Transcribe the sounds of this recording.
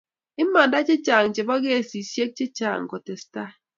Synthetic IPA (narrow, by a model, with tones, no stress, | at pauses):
ɪ˦ma˨nda˦t͡ʃɪ˦t͡ʃa˨ŋ˨t͡ʃe˨bɔ˦ɡe˦˨si˨sje˦k̚t͡ʃɪ˦t͡ʃa̰˨ŋ̩˨ko˨te˨sta˦